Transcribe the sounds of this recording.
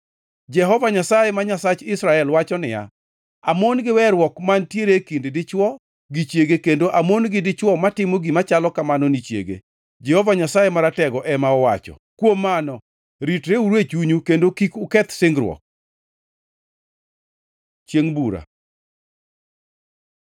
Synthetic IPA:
d͡ʒɛɦɔvaɲasajɛmaɲasat͡ʃɪsɾaɛlwat͡ʃɔnɪja̰ | amonɡɪwɛɾwɔkmantjeɾekindɪdɪt͡ʃwɔ | ɡit͡ʃjeɡekendoʔamonɡɪdɪt͡ʃwɔmatɪmoɡimat͡ʃalɔkamanɔnit͡ʃjḛɡḛ | d͡ʒɛhɔvaɲasajemaɾatɛɡɔʔɛmaɔwat͡ʃɔ̰ | kwomːanɔ | ɾitɾeuɾwet͡ʃuɲukendokikʊkɛt̪sɪŋɡɾwɔ̰k̚ | t͡ʃjeŋbuɾa̰

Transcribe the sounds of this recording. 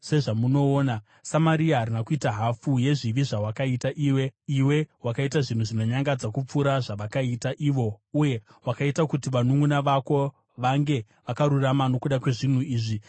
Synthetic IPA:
se̞ʐamuno̞ːna | samaɾiaɦaɾinakuitaɦafuje̞ʐiʋiʐawakaitaʔiːwe̞iwe̞wakaitaʐin̤uʐino̞ɲaŋɡad͡zakup͡fuɾaʐaʋakaitaʔiːʋo̞uje̞wakaitakutiʋanuŋɡunaʋako̞ | ʋaŋɡe̞ | ʋakaɾuramano̞kuɗakwe̞ʐin̤uiːʐi

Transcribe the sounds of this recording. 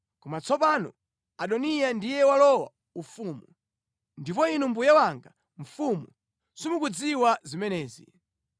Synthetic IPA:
kɔmat͡sɔpaːnɔ̰ | aɗɔnijandijɛwalɔwa̰ | ufumu | ndip̬ɔinum̩bujawaŋɡa | ɱ̩fumu | sumukud͡ziwazimɛnɛːzḭ

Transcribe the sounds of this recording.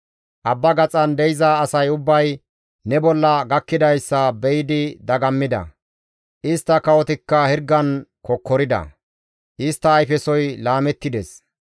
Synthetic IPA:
ʔɐbːɐɡɐt͡sʼɐnd̪ɛjɪzɐːsɐjʊbːɐj | nɛbɔlːɐɡɐkːɪd̪ɐjsːɐbɛjɪd̪ɪd̪ɐɡɐmːɪd̪ɐ̰ | ʔɪst̪ːɐkɐwɔt̪ɪkːɐhɛɾɡːɐnkɔkːɔɾɪd̪ɐ̰ | ʔɪst̪ːɐːjfɛsɔjlaːmɛt̪ːɪd̪ɛs

